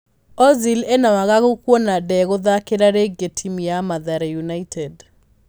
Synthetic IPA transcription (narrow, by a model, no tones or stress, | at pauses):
ɔzilenawaɣaɣokwonadɛɣoðakeɾaɾeɡetʰimiamaðaɾejunaitʰɛd